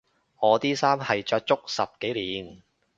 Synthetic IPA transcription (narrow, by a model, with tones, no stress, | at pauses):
ŋɔː˨˧t̪iː˥saː˥mhɐ˨jt͡ʃœː˧k̚t͡sʊ˥k̚sɐ˨p̚ke˨˥jliː˨n